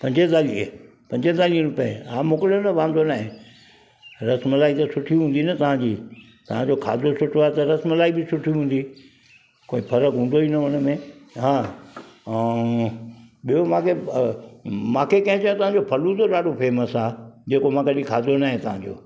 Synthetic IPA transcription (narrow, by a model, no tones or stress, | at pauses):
pɐ̃ɲd͡ʑet̪aːliə | pɐ̃ɲd͡ʑet̪aːliə̃ɾʊpḛaːmʊkɪljonɐʋãːnd̪onaːɦẽ | ɾɐsmlaːit̪ɐsʊʈʰiɦũːnd̪inɐt̪ɐʋ̤ãd͡ʑiː | t̪ɐʋ̤ãd͡ʑoːkʰa̰ːd̪osʊʈʰoaːet̪ɐɾɐsməlaːibɪsʊʈʰiuɦũːnd̪i | koːipʰɐɾəkɦũːnd̪oinɐʊñə̆mẽɦãː | ɓijomãːkʰe | mãːkʰekɐ̃ɦɪ̃t͡ɕɐj̃t̪ɐʋ̤ãɲd͡ʑopʰɐlut̪oɗaːɖopeːməsaːd͡ʑeːkomãːkʰeɗĩkʰaːd̪onaːɦẽt̪ɐʋ̤ãɲd͡ʑo̰ː